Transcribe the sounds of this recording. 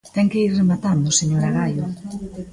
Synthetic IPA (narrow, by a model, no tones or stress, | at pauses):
t̪ɛŋkeiɾremat̪and̪ʊseɲoɾaɣajʊ